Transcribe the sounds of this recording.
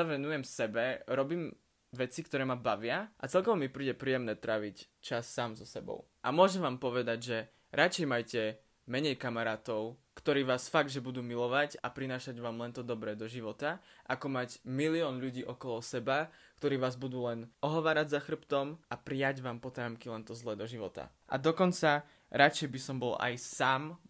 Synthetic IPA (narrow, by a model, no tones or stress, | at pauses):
ʋɛnujɛmsɛbɛɾɔbiːm | ʋɛt͡sikt̪ɔɾɛːmabaʋɪaʔat͡sɛlkɔʋɔmipɾiːɟɛpɾiːjɛmnɛːt̪ɾaːʋict͡ʃasːaːmzɔsɛbɔ̰ʊ | ʔa̰mʊɔʒɛmʋaːmpɔʋɛd̪aɟʒɛ | ɾʔat͡ʃɛjmajcɛ | mɛɲɛjkamaɾaːt̪ɔʊkt̪ɔɾiːʋaːsfaɡd̪ʒɛbud̪uːmilɔʋacapɾinaːʃaɟʋaːmlɛnt̪ɔd̪ɔbɾɛːd̪ɔʒiʋɔt̪aʔakɔmacmiliɔːnʎuɟiːʔɔkɔlɔsɛbakt̪ɔɾiːʋaːzbud̪uːlɛnʔɔɦɔʋaːɾaɟzaxr̩pt̪ɔmʔapɾiaɟʋaːmpɔt̪aːmkilɛnt̪ɔzlɛːd̪ɔʒiʋɔt̪a̰ | ʔa̰d̪ɔkɔnt͡sa | ɾat͡ʃɛjbisɔmbɔla̰jsaːm